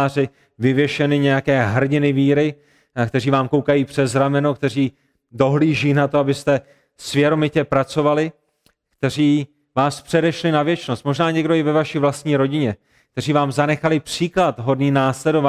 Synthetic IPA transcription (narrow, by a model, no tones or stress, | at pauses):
rɪ | vɪvjɛʃɛnɪɲɛjakɛːɦr̩ɲɪnɪviːɾɪ | kt̪ɛriːvaːmko̞wkajiːpr̝̥ɛzɾamɛno̞k̚t̪ɛriː | do̞ɦliːʒiːnat̪o̞abɪst̪ɛ | svjɛɾo̞mɪcɛpɾat͡so̞valɪ | kt̪ɛr̝iː | vaːspr̥ɛdɛʃlɪnavjɛt͡ʃnost̪̚mo̞ʒnaːɲɛɡdo̞jɛvɛvaʃiːvlast̪ɲiːɾo̞ɟɪɲɛ | k̚t̪ɛr̝iːvaːmzanɛxalɪpr̝̥iːklat̪ɦo̞dniːnaːslɛdova